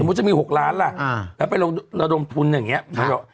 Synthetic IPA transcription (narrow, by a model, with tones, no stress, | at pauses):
m̚˦˥t͡ɕa˨˩miː˧ho˨˩k̚laː˦˥nla˨˩˧lɛː˦˥pa˧jlo˧ɾa˧do˧mt̪ʰu˧njaː˨˩ŋːi˦˥ɐa˨˧˦jɔ˨˩